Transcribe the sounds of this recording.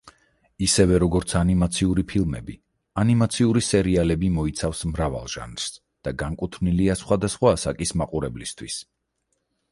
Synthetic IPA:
isɛvɛɾɔɡɔɾt̪sʰanimat̪sʰiuɾipʰilˠmɛ̰bi | animat̪sʰiuɾisɛɾialɛbimɔit̪sʰafsmɾava̰lˠʒa̰nɾ̥s | d̪̥aɡaŋkʼut̪ʰmniliasχwad̪asχwaːsakʼismaqʼuɾɛblist̪ʰwis

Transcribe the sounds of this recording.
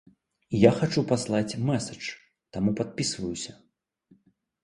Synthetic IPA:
jaxat͡ʂupaslˠat͡sʲmɛsɐt͡ʂ | t̪amupat̪̚pʲisvɐjusʲɐ

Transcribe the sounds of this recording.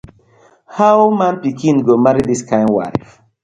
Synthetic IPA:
hawmãnpikʰĩnɡomaɹidiskʰãɪ̃ndwa̰ɪf

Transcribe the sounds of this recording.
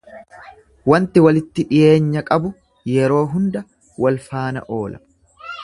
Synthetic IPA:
wɐnt̪ɪwɐlɪt̪ːɪᶑɪjʔe̞ːɲːɐkʼɐbʊ | jɛɾo̞ːɦʊnd̪ɐ | wɐlfaːnɐ̰ʔo̞ːlɐ

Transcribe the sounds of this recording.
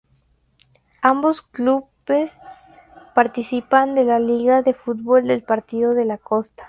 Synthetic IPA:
ambo̞sklu | es | paɾt̪isipand̪e̞laliɣaðe̞fut̪̚βo̞ld̪e̞lpaɾt̪iðo̞ðe̞lako̞st̪ḁ

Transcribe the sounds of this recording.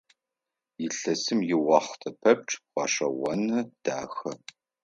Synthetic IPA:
jɪɬɐsɨmjɪwɑːχʷtʰɐpʰɐp̚ʈ͡ʂʼqʷɑ̰ːɕɐwɔnɐd̥aːxɐ

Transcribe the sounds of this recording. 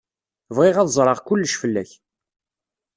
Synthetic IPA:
vʁɪʁæðzˤɾˤɑʁkʊlːəʃfəlːæç

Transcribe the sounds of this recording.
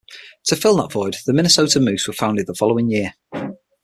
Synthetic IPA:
tʰəfɪlˠðə̰tv̥ɔɪd̪ðəmɪnɪsoʊtəmʉˑswə̥fãʊ̃ndɪd̪̚ðəfɒloʊɪ̃ŋjɪə

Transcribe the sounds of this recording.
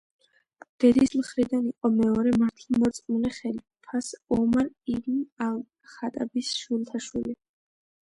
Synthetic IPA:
d̪̥ɛɾismχɾid̪aniqʼɔmɛɔɾɛmaɾt̪ʰimɔt̪sʼmulɛχɛl | pʰasɔmaɾilinal | χat̪ʼa̰bisʃult̪ʰaʃwili

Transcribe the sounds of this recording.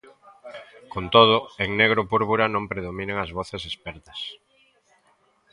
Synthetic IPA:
kont̪oð̞ʊeŋneɣ̞ɾopuɾβuɾɐnõmpɾeðomĩneŋɐzβoθesespɛɾt̪ɐ̥s

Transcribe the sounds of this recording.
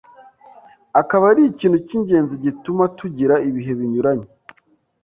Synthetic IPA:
akaβaɾiciːntuciɲɟe̞ːnziɟitumatuɟiɾaiβiɦe̞βiɲuɾaɲe

